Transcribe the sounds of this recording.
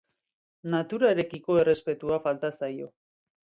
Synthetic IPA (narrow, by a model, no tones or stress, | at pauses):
nat̪uɾaeɾe̞kiko̞e̞re̞spe̞t̪uafalt̪asajo̞̰